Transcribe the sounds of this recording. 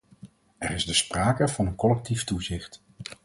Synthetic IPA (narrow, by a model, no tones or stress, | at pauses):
ɛrɪzdəspraːkəvɑnənkɔlɛk̚tiftuzɪχt